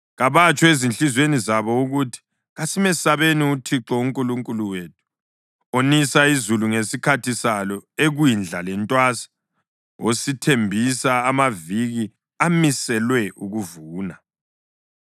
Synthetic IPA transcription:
ɣaβat͡ʃʼɔezint͡ɬʼizwenizaβɔuɣutʰi̥ | ɣasimɛsaβeniutʰiǁɔuŋkʼuluŋkʼuluwetʰu̥ | onisaizuluŋesikʰatʰisalɔeɣwind͡ɮʱalɛntʼwasḁ | ositʰembʱisaːmaviɣi | amisɛlwɛʔuɣuvuːna

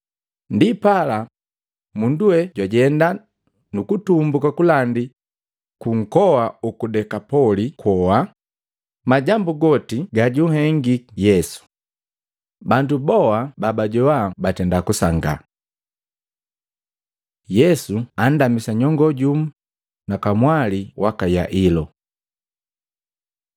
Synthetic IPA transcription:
ndipala | munduwɛɟwaɟɛnda | nukutumbukakulandi | kuŋ̩kɔwaukudɛkapɔlikwɔwa | maɟambuɡɔtiɡaɟuɦɛŋɡijɛsu̥ | bandubɔababaɟɔwabatɛndakusaŋɡa̰ | jɛsuan̩damisaɲɔŋɡɔɟum̩ | nakamwaliwakaja̰ʔilɔ

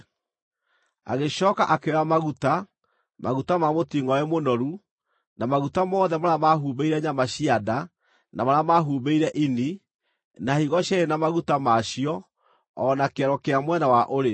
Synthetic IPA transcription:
a̰ɣeɕɔːka̰ʔakeamaɣuta | maɣutamamotiːŋɔɛmonɔɾu | namaɣutamɔːðɛmaɾamaɦuːbeiɾɛɲamaɕiada | namaɾamaɦuːbeiɾɛʔini | nahiɣɔɕaɾenamaɣutamaɕiɔː | nakeɛɾɔkeamwɛnawaʔoɾe

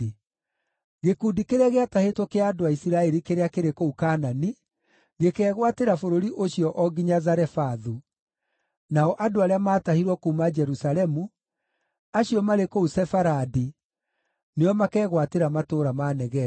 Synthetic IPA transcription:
ɣekuːdikeɾɛɣeatahetwɔkeaːdoaisiɾaɛɾikeɾeakeɾekoukaːnani | ɣekɛːɣwateɾafoɾoɾiʔoɕiɔʔɔɡiɲazaɾɛfaðu | naɔʔadoaɾeamaːtahiɾwɔkuːmad͡ʒɛɾusalɛmu | aɕiɔmaɾekousɛfaɾadi | neɔmakɛːɣwateɾamatoːɾamanɛɣɛ

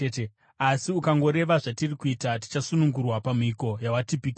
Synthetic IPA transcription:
te | asiukaŋɡo̞ɾe̞ʋaʐatirikuitat̬i̥t͡ʃasunuŋɡurwapamiko̞jawatipik

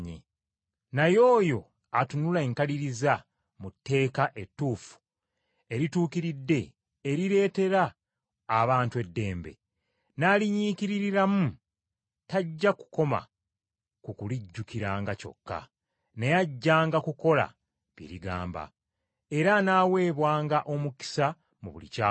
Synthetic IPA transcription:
ɲḭ | najo̞ːjo̞ | atunulaeŋkaliɾiza | mutːe̞ːkaʔe̞tːuːfu̥ | e̞ɾituːkiɾidːe̞ː | ɾiɾe̞ːte̞ɾaː | βaːntue̞dːe̞ːmbe̞̰ | naːliɲiːkiɾiɾiɾamu | taɟːaku̥ko̞ma̰ | kukuliɟːukiɾaːŋɡaco̞̰kːa̰ | nejaɟːaːŋɡakuko̞la̰ | βjḭɾiɡa̰ːmba̰ | e̞ɾanaːwe̞ːβwaːŋɡaʔo̞muki̥sa | mṵβṵlḭcaː

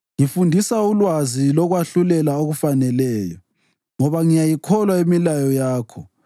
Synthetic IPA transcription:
ŋifundʱisaulwazilɔɣwaɬulɛlaoɣufanɛlɛːjɔ̰ | ŋɔβaŋijajikʰɔlwaemilajɔjaːkʰɔ

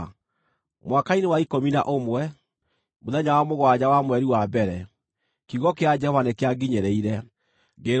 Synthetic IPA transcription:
mwakainewaikomina̰ʔomwɛ | moðɛɲawamoɣwad͡ʑawamwɛɾiwabɛɾɛ | kiɣɔkead͡ʒɛhɔvanekeaɡiɲeɾeiɾɛ | ɡe

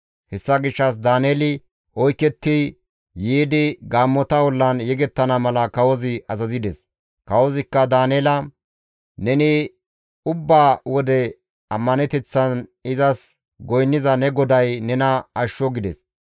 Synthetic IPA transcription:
hɛsːɐɡɪʃːɐs̬d̪aːneːlɪ | ʔɔjkːɛt̪ːɪ | jiːd̪ɪɡaːmːɔt̪ɐwɔlːɐnjɛɡɛt̪ːɐnɐmɐlɐkɐwɔzɪɐzɐzɪd̪ɛs | kɐwɔzɪkːɐd̪aːneːlɐ | nɛnɪ | ʊbːaːwɔd̪ɛ | ɐmːɐnɛt̪ɛt͡sːɐnɪzɐs | ɡɔjnːɪzɐnɛɡɔd̪ɐjnɛnɐɐʃːɔɡɪd̪ɛs

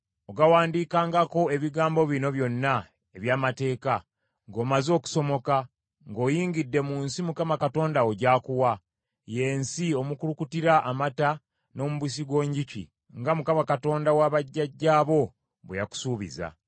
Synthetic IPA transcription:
o̞ɡawaːndiːkaːŋɡako̞e̞βiɡaːmbo̞βino̞βjo̞nːa | e̞βjaːmate̞ːka | ŋɡo̞ːmazo̞ːku̥so̞mo̞ka | ŋɡo̞ːjiːŋɟidːe̞muːnsimukamakato̞ːndaoɟaːkuwa | je̞ːnsio̞mukulukutiɾaʔamata | no̞ːmuβwis̬iɡwo̞ːɲɟicḭ | ŋɡamukamakato̞ːndawaβaɟːaɟːaːβo̞ | βwejaku̥suːβḭza̰

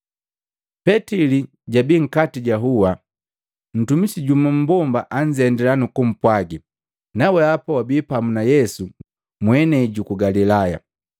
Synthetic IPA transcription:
pɛtili | ɟabiŋ̩katiɟaɦuwa | n̩tumisiɟumum̩bɔmbaʔaɲd͡ʒɛndɛlanukum̩pwaɡi | nawɛapawabiːpamunajɛsu | mwɛnɛɟukuɡalilaja̰

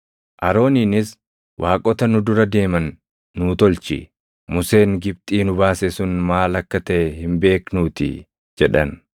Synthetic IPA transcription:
ʔɐɾo̞ːniːnɪs | wʔaːkʼɔt̪ɐnʊd̪ʊɾɐd̪e̞ːmɐnː | uːt̪ɔlt͡ʃɪ̰ | mʊse̞ːŋɡɪb̚t̪ʼiːnʊbaːsɛsʊnmaːlɐkːɐt̪ɐʔɛhɪmbe̞ːknuːt̪ɪ̰ | d͡ʒɛᶑɐn

